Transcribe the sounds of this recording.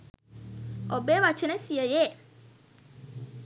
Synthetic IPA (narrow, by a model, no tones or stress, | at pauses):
ɔbɛwat͡ɕʰɪnɛ̃siɛjɛ